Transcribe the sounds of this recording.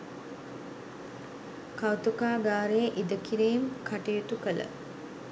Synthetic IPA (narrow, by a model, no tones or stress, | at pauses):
kawt̪ukaːɡaːɾeʔid̪əkiɾiːmkʰaʈijut̪ukələ̰